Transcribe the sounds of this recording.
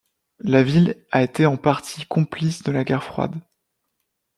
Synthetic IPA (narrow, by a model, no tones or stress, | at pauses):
lavilaet̪eɑ̃paʁt̪ʰikʰɔ̃plisd̪əlaɡʲɛʁfχwa̰d̪